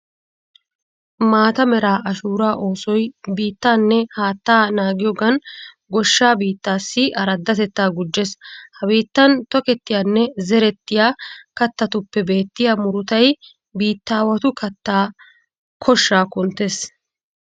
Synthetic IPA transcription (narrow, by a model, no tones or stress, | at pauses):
maːt̪ɐmɛɾaːʔɐʃuːɾaːʔo̞ːsɔjbiːt̪ːaːnːɛhaːt̪ːaːnaːɡɪjɔɡɐn | ɡɔʃːaːbiːt̪ːaːsːɪʔɐɾɐd̪ːɐt̪ɛt̪ːaːɡʊd͡ʒːeshɐbiːt̪ːɐnt̪ɔkɛt̪ːɪjaːnːɛzɛɾɛt̪ːɪjaːkɐt̪ːɐt̪ʊpːɛbe̞ːt̪ːɪjaːmʊɾʊt̪ɐj | biːt̪ːaːwɐt̪ʊkɐt̪ːaː | kʰɔʃːaːkʊnt̪ːeːs